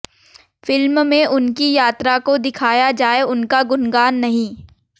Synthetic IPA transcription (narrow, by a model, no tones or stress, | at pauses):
fɪlmmẽʔʊnkijaːt̪ɾakod̪ɪkʰaːjad͡ʒaːeʊnkaɡʊnɡaːnːɐɦĩː